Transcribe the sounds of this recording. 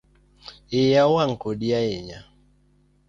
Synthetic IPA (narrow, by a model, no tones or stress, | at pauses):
ɪjawaŋkodiaɪɲa